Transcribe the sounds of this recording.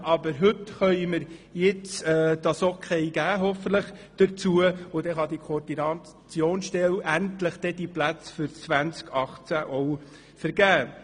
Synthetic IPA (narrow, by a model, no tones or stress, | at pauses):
ɑbəɾɦʏt̪χœʏməɾjɪt͡sɛːd̥ɑsokʰejɡ̥æːɦɔfəntləχd̥əɾt͡suəʊdɛχɑd̪ikʰoɔɾdinɑ | t͡sjoːnsʃtɛlæntləχd̪̥ɛd̪iplæt͡sfʏɾt͡sʋænt͡skʰɑχt͡sæʔɔw | fəɾɡæː